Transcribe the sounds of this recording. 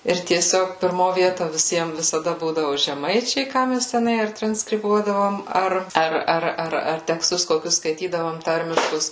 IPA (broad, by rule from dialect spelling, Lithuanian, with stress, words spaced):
ɪr tʲiɛˈsʲoːk pʲɪrˈmoː ˈʋʲiɛtoː ʋʲɪˈsʲiɛm ʋʲɪsɐˈdɐ ˈbuːdɐʋʊ ʒʲɛˈmɐɪt͡ʃʲɛɪ ˈkɑː mʲɛs tʲɛˈnɐɪ ɐr trɐnskrʲɪˈbuɔdɐʋoːm ˈɐr ˈɐr ˈɐr ɐr ɐr tʲɛksˈtʊs koːˈkʲʊs skɐɪˈtʲiːdɐʋoːm ˈtɐrʲmʲɪʃkʊs